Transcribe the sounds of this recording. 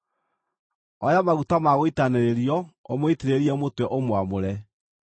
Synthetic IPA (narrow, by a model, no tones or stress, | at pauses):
ɔjamaɣutamaɣoitaneɾeɾiɔomoitiɾeɾiɛmotwɛʔomwamoɾɛ